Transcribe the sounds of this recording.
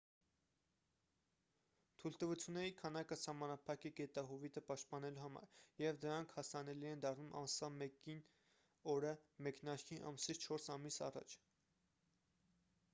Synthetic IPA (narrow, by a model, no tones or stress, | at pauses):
t̪ʰult̪əvut͡sʰjunːɛɾikʰɑnɑkəsɑhmɑnɑpʰɑkɛɡɛt̪ɑɦuvit̪əpɑʃt̪̚pɑnɛluhɑmɑ̰ɾjɛvd̪əɾɑŋkʰhɑsɑnɛliɛnd̪ɑrnumʔɑ̰nsɑmɛkin | ɔɾəmɛkn̪ɑɾkʰiʔɑ̰msit͡st͡ʃʰɔɾsɑmisɑ̰rɑ̰t͡ʃʰ